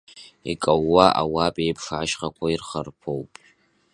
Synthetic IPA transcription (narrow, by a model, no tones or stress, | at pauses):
ikʼawːaʔawapʼejpʰʂaaʃχakʷʰairχarpʰowpʼ